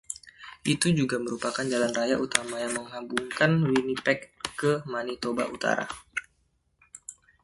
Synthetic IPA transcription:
ʔit̪ud͡ʒuɡaməɾupakand͡ʒalanrajaʔut̪amajaŋməŋɦabuŋkanlinipɛkːəmanit̪oba̰ʔut̪a̰ɾa̰

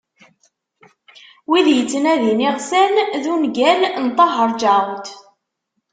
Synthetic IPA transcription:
wiðjət͡sːənæðiniʁsænðunɡælnt̪ˤːɑɦəɾˤd͡ʒant̪

